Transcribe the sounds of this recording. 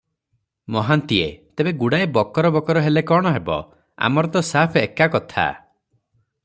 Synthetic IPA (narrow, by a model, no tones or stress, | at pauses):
mɔɦant̪iet̪ebeɡuɽaebɔkɔɾɔbɔkɔɾɔɦelekɔɽ̃ɔɦebɔ̰ | a̰mɔɾɔt̪ɔsapʰekakɔt̪ʰa̰